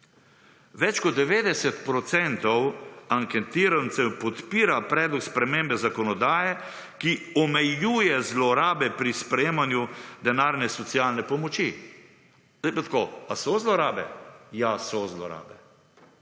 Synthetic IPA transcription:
ʋɛt͡ʃkɔd̪̚d̪ɛʋeːd̪ɛsɛt̪pɾɔt̪sɛnt̪ɔwaŋkɛt̪iːɾant̪sɛwpɔt̪piːɾapɾɛːd̪lɔkspɾɛmembɛzakɔnɔd̪aːjɛ | kiɔmɛjuːjɛzlɔɾaːbɛpɾispɾɛjeːmanjud̪ɛnaːɾnɛsɔt̪sijaːlnɛpɔmɔt͡ʃi | zajpat̪koasɔzlɔɾaːbɛ̰jasɔzlɔɾa̰ːbɛ

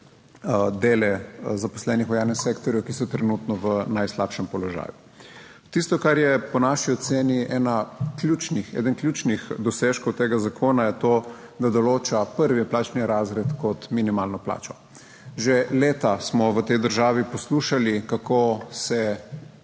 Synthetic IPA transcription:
d̪eːlɛzapɔ̥slɛːnixʋɔjaːlnɛseːkt̪ɔɾjɔwkisɔt̪ɾɛnut̪nɔʋənajslapʃɛmpɔlɔʒa̰ːju | t̪ist̪ɔkaɾjɛpɔnaʃiɔt̪seːniʔɛːnaklʲjuːt͡ʃnixɛ̰ːd̪ənklʲjuːt͡ʃnixd̪ɔseːʃkɔwt̪eːɡazakʰoːnajɛt̪oː | d̪ad̪ɔloːt͡ʃapəɾʋiplaːt͡ʃniɾazɾɛt̪kɔt̪minimalnɔpla̰ːt͡ʃɔ | ʒeleːt̪asmɔʋət̪ɛjd̪əɾʒaːʋipɔsluːʃalikakosɛ

